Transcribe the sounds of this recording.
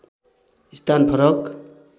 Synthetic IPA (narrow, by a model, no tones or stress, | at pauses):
ist̪ʰanpʰʌɾʌk